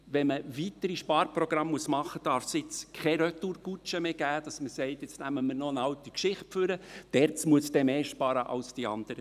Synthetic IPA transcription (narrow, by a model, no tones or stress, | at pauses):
ʋɛnməvit̪əɾiʃpɑːɾprɔɡ̥ɾɑmːuəsmɑχəd̥ɑɾfsɪt͡skʰɛɾœtuːɾɡ̥ut͡ʃəmeːɡ̥æːd̥ɑsməsɛɪtɪt͡snæməmənoənɑltikʃɪχtføɾəd̥ɛɾt͡smuəsd̥ɛmeːʃpɑɾəʔɑ̰lsd̥iɑ̰nd̥̪əɾə